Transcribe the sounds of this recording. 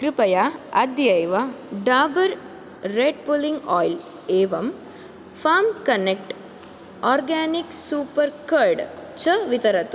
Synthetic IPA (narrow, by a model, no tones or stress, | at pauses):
kɾipɐjaɐd̪jɐjʋɐɖaːbɐɾː | eɖpuliŋɡɔːjl | eːʋɐm | faːmkɐnek̚ʈ | ɔːɾɡaːniksuːpɐɾkɐɾɖt͡ʃɐʋit̪ɐɾɐt̪u